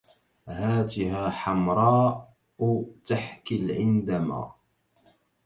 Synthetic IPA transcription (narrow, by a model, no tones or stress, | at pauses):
haːt̪ɪhaːħamɾˤɑːʔ | t̪aħkɪlʕɪnd̪ama̰ː